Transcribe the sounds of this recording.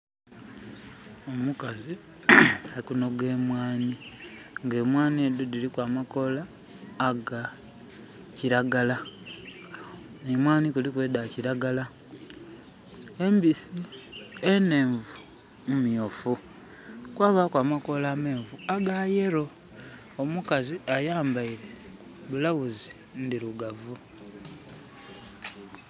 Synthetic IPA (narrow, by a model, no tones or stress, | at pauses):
omukazi | alikuno̞ɡe̞ːmwaːni | ŋɡe̞ːmwaːnied̪odilikwaːmako̞laː | ɡa | ciɾaɡala | nemwaːnikulikweːdaciɾaɡala | embisiene̞ːɱvu | mmiofu | kwaːβakwaːmako̞laːme̞ːɱvuaɡajeɾo̞ː | mukaziajaːmbaiɾe̞ | βulawuzi | ndiɾuɡavu